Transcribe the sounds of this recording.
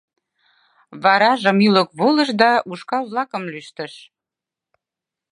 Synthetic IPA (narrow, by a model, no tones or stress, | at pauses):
βɑɾɑʒə̆myləkβolə̆ʃd̪ɑʔuʃkɑβlɑkə̆mlyʃt̪ə̆ʃ